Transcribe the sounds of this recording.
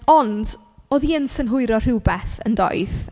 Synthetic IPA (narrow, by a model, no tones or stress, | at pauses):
ɔnd | oːðiənsənɦʊɨɾɔr̥ɪwbɛθə̰ndɔ̰jð